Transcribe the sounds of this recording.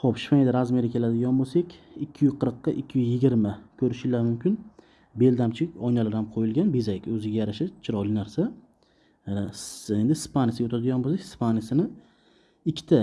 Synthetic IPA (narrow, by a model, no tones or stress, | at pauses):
χopʃɪ̥faed̪aɾazmieɾakʲʰe̞lad̪ɪɡʲanbosakʲɪkʲʰːɪjyzqʰɨɾqːɑʔɪkʲʰːɪjyzjɪɡʲɪɾmakʲʰɵɾɪʃɪlaɾmʊmkʲʰɪn | be̞ld̪amt͡ʃʰɪɒjnalaɾhamqʰojɪlɡʲanbezakʲɵzɪɡʲajaɾaʃat͡ʃʰɪɾɒlˠɪnaɾsa | end̪ɪspanʲjasɪɡʲot̪ʰad̪ɪɡʲanbos̬akʲɪ̥spʰanʲjasɪnɪ | ɪkʲʰːɪ̥t̪ʰa